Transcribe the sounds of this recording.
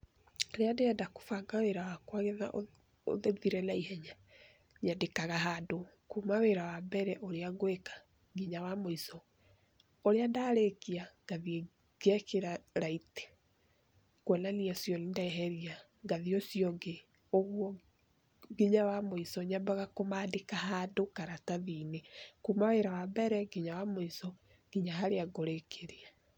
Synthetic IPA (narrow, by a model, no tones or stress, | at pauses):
ɾeandeɛndako̥faŋɡaweɾawakwaɣɛða̰ʔo | o̰ðeðiɾɛlaihɛɲa | ɲadekaɣaɦadokumaweɾawambɛɾɛʔoɾeaɡoekḁ | ɡiɲawamoisɔ | oɾeandaɾekiaŋɡ̥aðie | ɡ̥ɛkeɾaɾaite̥ | kwɛnaniasjɔnindaɛɦɛɾia | ɡaðiosiɔɡe | oɣwɔ | ɡiɲawamoisɔɲabaɣakomaːdekahadokaɾataðiːnekumaweɾawabɛɾɛɡiɲawamoisɔ | ɡ̥iɲaɦaɾeaɡoɾekʰeɾea